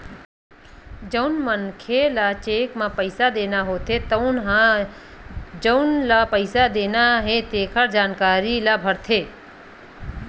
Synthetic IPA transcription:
d͡ʒəʊnmənkʰelat͡ʃeːkmãːpəɪsad̪eːnaɦoːt̪ʰet̪ɦã | d͡ʒəʊnlapəɪsad̪eːnaɦet̪eːkʰəɾd͡ʒaːnkaːɾilabʱəɾt̪ʰeː

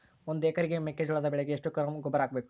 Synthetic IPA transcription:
ond̪ueːkɐɾiɡemekːed͡ʒuɭɐd̪ɐbɛɭeɡeːʂʈːukɐɾɐmɡɔbːɐɾaːɡbeːku

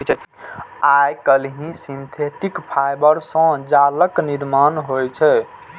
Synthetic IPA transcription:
ajkəlɦĩsint̪ʰeʈikpʰajbəɾsə̃d͡ʒaləkniɾmanɦojt͡ʃʰɛ

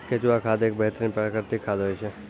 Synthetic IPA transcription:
ket͡ʃʋakʰad̪ek̚bəɦt̪ɾinpəɾəkəɾt̪ikʰad̪ɦojt͡ʃʰe

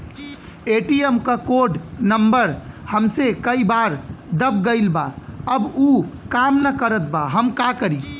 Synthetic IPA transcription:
eʈiemkakoɖnəmbəɾhəmsekəibaɾd̪əb̚ɡəɪlbaəbukamnəkəɾət̪̚baɦəmkakəɾi

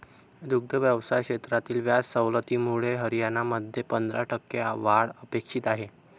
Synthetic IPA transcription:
d̪uɡ̚d̪əʋjəʋsajkɕet̪ɾat̪iːlʋjat͡ssəwlət̪iːmuɭeɦəɾijanaməd̪ʱjepənd̪ɾaʈəkːeaʋaɭəpekʂiːt̪aɦe

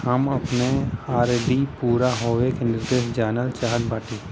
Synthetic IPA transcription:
həmɐpneaːɾɖipuːɾaɦoːʋekenɪɾd̪eːsd͡ʒaːnəlt͡ʃaːɦət̪baːʈʰiː

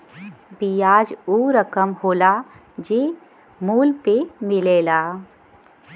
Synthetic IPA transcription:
bijaːd͡ʒuɾəkəmhoːla | d͡ʒeː | muːlpemɪleːlaː

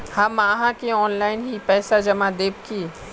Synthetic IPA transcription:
hamaːɦãkeɔːnlaːɪnɦipɛːsad͡ʒɐmad̪eːb̚kiː

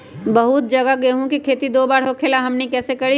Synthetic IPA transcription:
bɐɦʊt̪̚d͡ʒɐɡaɡeɦũkikʰeːt̪id̪oːbaːɾɦokʰeːlaɦɐmnekɛːsekɐɽi

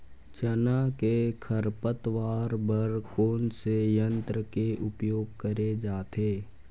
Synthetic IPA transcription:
t͡ʃənakekʰəɾpət̪ʋaːɾbəɾkoːnsejə̃nt̪ɾəkeʔʊpjoːɡ̚kəɾed͡ʒaːt̪eː

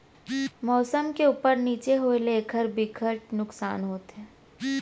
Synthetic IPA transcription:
mɔːsəmkeuːpəɾniːt͡ʃeɦoːeleːkʰəɾbikʰəʈ̚nʊksa̰ːnɦoːt̪ɦɛ̃ː

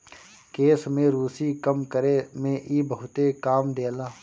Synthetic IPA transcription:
keːsmẽɾuːsikəmkəɾemẽʔiːbəɦʊt̪ekaːmd̪eːlaː

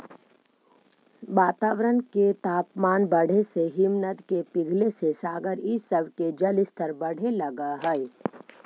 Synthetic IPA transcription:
ʋaːt̪aːʋɾənket̪aːpmaːnbɐɽ̤eseɦɪmnəd̪kepɪɡʱlesesaːɡəɾɪsəbked͡ʒɐlɪst̪ʰəɾbɐɽ̤ʱelɐɡaɦɛɛ

